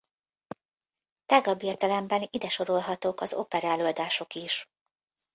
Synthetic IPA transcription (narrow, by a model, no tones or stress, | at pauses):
t̪aɡɒbiːrt̪ɛlɛmbɛnid̪ɛʃo̞ɾo̞lɦɒt̪oːkɒzo̞̰pɛɾaːlo̞ːld̪aːʃo̞kiʃ